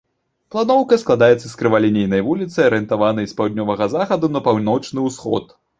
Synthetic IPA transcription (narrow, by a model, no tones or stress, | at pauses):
plˠanɔwkɐsklˠad̪ajɛt̪sːɐskɾɨvalʲinʲejnɐjvulʲit̪sɐjɐɾɨɛnt̪avanɨspawd̪ʲnʲɔvɐɣɐzaxɐd̪unɐpawnɔt͡ʂnɨwsxɔ̰t̪